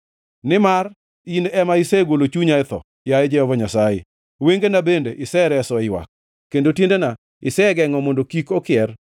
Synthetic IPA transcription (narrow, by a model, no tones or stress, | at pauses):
nɪmar | inɛmaɪseɡolot͡ʃuɲaɪt̪ɔ̰ | jaɪd͡ʒɛhɔvɔɲasajɪ̰ | weŋɡenabendeʔɪsɛɾɛsɔɪwa̰k̚ː | endotendena | ɪsɛɡɛŋɔmondokikokɪɛr